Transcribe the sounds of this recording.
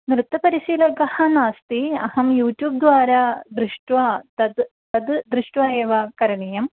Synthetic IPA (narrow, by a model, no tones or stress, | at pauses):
nɾɨt̪ːɐpɐɾisiːlɐɡɐhɐnaːst̪iɐhɐmjuːtjuːb̚d̪ʋaːɾɐd̪ɾɨʂʈʋaːd̪ɐd̪ | t̪ɐd̪d̪ɾɨʂʈʋaːjeʋɐkɐɾɐɳijɐm